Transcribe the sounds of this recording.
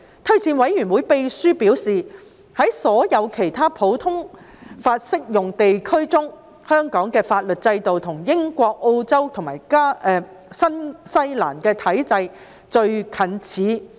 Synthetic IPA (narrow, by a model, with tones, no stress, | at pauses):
t̪ʰɵ˥ɥt͡siː˧nwɐ˨˥jɥyː˨˩nwuː˨˧˥jpe˧jsyː˥pi˨˥wsiː˨ | hɐ˨˥jsɔː˨˥jɐ˨˧wkʰe˨˩jt̪ʰaː˥pʰo˨˧˥wt̪ʰʊ˥ŋ | faː˧t̚sɪ˥k̚jʊ˨ŋt̪e˨jkʰɵ˥ɥt͡sʊ˥ŋ | hœː˥ŋkɔː˨˥ŋkɛː˧faː˧t̚lɵ˨t̚t͡sɐ˧jt̪o˨wt̪ʰʊ˨˩ŋjɪ˥ŋkʷɔː˧k̚ʔo˧wt͡sɐ˥wt̪ʰʊ˨˩maː˨˩jkaː˥ɛ˨ | sɐ˥nsɐ˥jla̰ː˨˩nkɛː˧t̪ʰɐ˨˥jt͡sɐ˧j | t͡ʃɵ˧ɥkʰɐ˨˥nt͡sʰiː˨˥